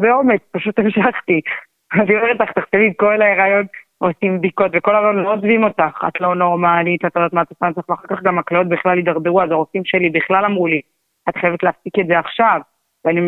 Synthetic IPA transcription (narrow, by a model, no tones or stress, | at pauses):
beo̞met͡spaʃut̪emʃaχt̪i | aniomeʁetlaχt̪aχʃevimko̞lae̞ʁajo̞n | osimdiko̞tveko̞leʁajonloozvimo̞taχa̰t̪lo̞no̞ʁmalit̪atadat̪maːt̪asant͡saχveaχaʁkaχɡamaklao̞t̚biχlalid̪aʁbeuazaʁofimʃe̞libiχlalamʁuli | at̪χajevetleafsiketzeaχʃav | veani